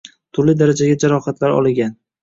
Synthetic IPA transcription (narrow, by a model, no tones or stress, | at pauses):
t̪ʰʊɾlɪd̪aɾad͡ʒaɡʲad͡ʒaɾɒhat̪ʰlaɾɒ̰lˠɪɡʲan